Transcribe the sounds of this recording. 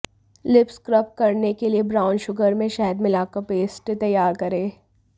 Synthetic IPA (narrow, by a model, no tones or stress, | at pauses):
lɪpskɾɐp̚kɐɾnekeliebɾaːʊ̃nʃʊɡəɾmẽʃaːɦəd̪mɪlaːkapeːsʈt̪ɐjːaːɾkɐɾeː